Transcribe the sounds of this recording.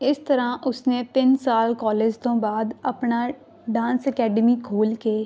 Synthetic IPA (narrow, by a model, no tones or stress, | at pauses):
ɪst̪əɾãːʔʊsnẽːt̪ɪnsaːlkɔːleːd͡ʒt̪õːbaːd̪əpnaː | ɖãːnsəkɛːɖəmiːkʰoːlkeː